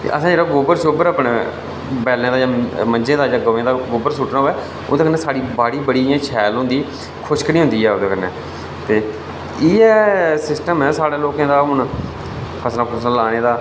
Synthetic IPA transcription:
t̪ḛʔəsãːd͡ʒeːɽaɡoːbəɾsoːbəɾaːpɳeː | bɛːlẽːd̪aːd͡ʒãːmənd͡ʒẽːd̪aːd͡ʒãːɡəːẽːd̪aːɡoːbəɾsʊʈnaːɦoːɛː | o̰ːd̪õːkənːeːsaːɽiːbaːɽiːbəɽiːjãːt͡ʃʰɛːlõːnd̪iː | kʰʊʃkniːɦʊ̃nd̪iːɦɛːoːd̪ẽːkənːɛː | t̪eː | iːɛːsɪsʈəmɛːsaːɽeːloːkãːd̪aːɦʊɳ | pʰəsnãːkʰəsnãːlaːneːd̪aː

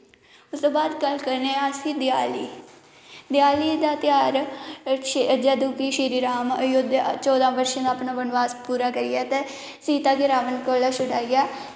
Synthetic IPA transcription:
ʊsd̪õːbaːd̪kəlkəɾneːaːsiːd̪ɪaːliː | d̪ɪjaːliːd̪aːt̪ɪjaːɾ | d͡ʒaːd̪uːkiːʃiːɾiːɾaːməjʊd̪t͡ʃɔːd̪ãːbəɾʃãːd̪aːpnaːbənʋaːspuːɾaːkəɾɪjaːt̪e | siːt̪aːɡɪɾaːʋənkoːlaːsʊɽaːijaː

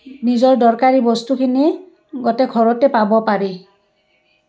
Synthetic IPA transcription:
nizɔɹdɔɹkaɹibɔstukʰini | ɡɔtɛkʰɔɹɔtɛpabɔpaɹi

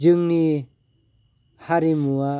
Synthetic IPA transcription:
d͡ʒɯŋni | haɾimua

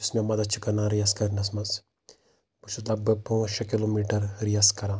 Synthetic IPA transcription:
ismʲɐmɐd̪ɐt͡ʃʰikɐnãːɾijaskɐɾnɐsmɐz | put͡ʃut̪lɐbɐpoʃɐkilomiʈɐɾɾijaskɐɾãː

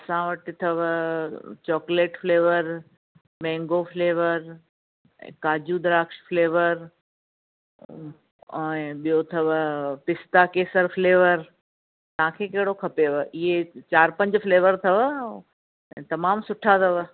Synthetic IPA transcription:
ɐsãʋəʈɪt̪ʰɐʋ | t͡ɕɔːkleːʈfleːʋəɾ | mɛ̃ːŋɡofleːʋəɾ̰ | kaːd͡ʑud̪ɾaːkʃfleːʋəɾ | ɛ̃ɓijot̪ʰɐʋpɪst̪akeːsəɾfleːʋəɾ | t̪ɐ̤ãkʰeːkɐɦɪɽokʰɐpeʋəɪɦet͡ɕaːɾpɐ̃ɲd͡ʑfleːʋəɾt̪ʰɐʋ | ɛ̃ːt̪ɐmaːmsʊʈʰat̪ʰɐʋ

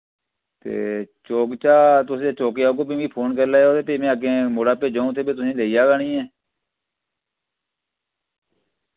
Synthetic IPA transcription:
t̪ḛːt͡ʃoːkt͡ʃaːt̪̬ʊsẽːt͡ʃoːkeːaːkoːbiːmiːpʰoːnkəɾlaːeoːt̪eːpeːmẽːəɡẽːmoːɽaːpeːd͡ʒãːũt̪ʰeːbeːt̪̬ʊsẽːleːijaːɡaːnĩːɛː

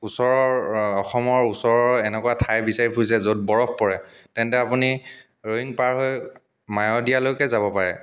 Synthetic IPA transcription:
usɔɹɔɹɔxɔmɔɹusɔɹɔɹɛnɛkʊwatʰajbisaɹipʰujs̬ɛzot̚bɔɹɔpʰpɔɹɛtɛntɛapuni | ɹoɦiŋpaɹɦoj | majɔdijalojkɛzabɔpaɹɛ̰

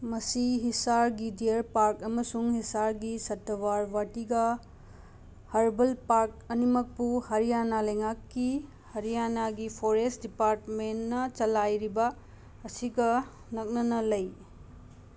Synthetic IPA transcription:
mɐsiɦisaɾɡidiɾpaɾkɐmɐsuŋhisaɾɡisɐtːɐwaɾwatiɡɐ | hɐɾbɐlpaɾk̚ɐnimɐk̚buhɐɾijanalɐjŋakːi | hɐɾijanaɡipʰoɾestdipaɾtmenːɐt͡ʃɐlajɾibɐː | siɡɐ | nɐk̚nɐnɐlɐj

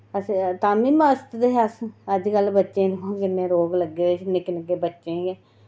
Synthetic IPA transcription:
əst̪aːmiːməst̪d̪eɦasəd͡ʒkəlbətːʃẽːd̪õːkɪnːẽːɾoːɡləɡːeːt͡ʃnekɪnəɡːeːbətːʃẽːɡeː

